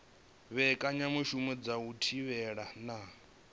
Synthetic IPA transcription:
βɛkʼaɲamuʃumɛd͡zautʰiβɛɺana

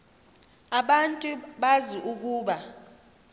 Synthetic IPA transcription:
aɓantʼuɓaziʔuk̬ʼuːɓa

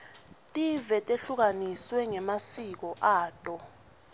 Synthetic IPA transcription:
tʼivɛtʼeɬuk̬aniswɛŋɛmasik̬ɔʔaːtʼɔ

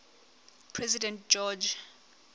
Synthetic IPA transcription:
pʰrɛzidɛ̃ntd͡ʒɔd͡ʒ

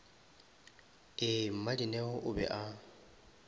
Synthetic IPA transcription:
ɪm̩madinɛɣʊʔʊbɛ̰ʔa

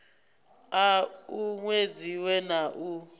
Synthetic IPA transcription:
auŋwed͡ziwɛnaʔu

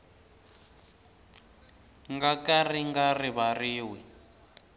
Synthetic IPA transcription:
ŋɡakariŋɡariβariːwɛ

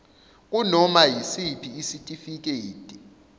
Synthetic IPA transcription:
k̬unɔmajisipʰiːsitʼifik̬eːtʼi

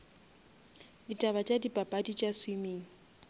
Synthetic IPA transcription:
ditʼaβat͡ʃʼadipʼapʼadit͡ʃʼaswimiːŋ̩

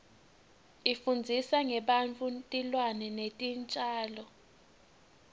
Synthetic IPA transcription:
ifund͡zʱisaŋɛɓant͡fʼuntʼilwanɛnetʼint͡ʃʼaːlɔ

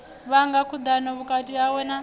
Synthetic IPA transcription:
βaŋɡakʰud̪anɔβukʼatʼiawɛna

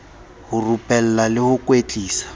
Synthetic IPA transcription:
hʊrupʼɛl̩lalɪhʊkʼwet͡ɬʼiːsḁ

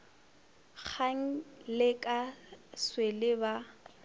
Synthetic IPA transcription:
k͡xʰaŋ̩lɪkʼaswelɪba

